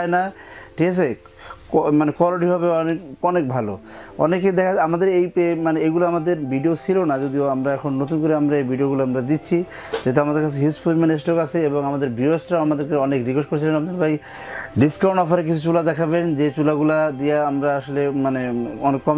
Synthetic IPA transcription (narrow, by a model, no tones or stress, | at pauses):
enaʈʰikasʰe | manekɔloʈiɦɔbeɔnekɔnek̚bʱalo̰ɔ̰neked̪ɛkʰaamad̪eɾejpemaneejɡuloamad̪eɾbiɖiot͡ɕʰilonad͡ʑod̪ioamɾaɛkʰonnot̪unkoɾeamɾaejbiɖioɣulaamɾad̪it̪ːɕʰi | d͡ʑet̪̬oamad̪eɾkat͡ɕʰeɦispuɾmanes̬ʈɔkat͡ɕʰeeboŋamad̪eɾbiesʈɾaamad̪eɾkeɔnekɾiɡoʃkoɾet͡ɕʰilenamd̪ɾbaj | ɖiskaw̃ɳʈɔfaɾek̬it͡ɕʰut͡ɕulad̪ɛkʰaβend͡ʑet͡ɕulaɡulad̪ijaamɾaaʃolemaneɔnekːɔm